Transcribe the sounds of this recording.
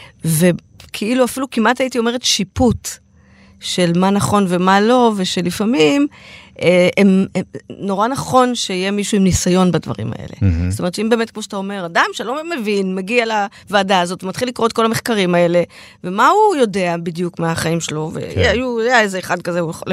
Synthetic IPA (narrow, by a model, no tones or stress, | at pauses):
ve̞ | kʰiiluafilukimʔataitio̞me̞ʁ̞etʃiput | ʃe̞lmanaχo̞nve̞malo̞ve̞ʃe̞lifamimʔeemeno̞ʁanaχo̞nʃeijemiʃuimnisajo̞nbadvɐ̰ʁḭma̰ʔḛle̞̰zotome̞tʃeimbe̞ːmetkmoʃatao̞me̞ʁadamʃelo̞memevinmeɡiala | vaːdaːzo̞tvemat̪χilikʁo̞t̚ko̞lameχkaʁimae̞le̞ | ve̞maujo̞de̞abidjukmaaχaimʃelovḛjajuajaezeːχad̚kazeujeo̰l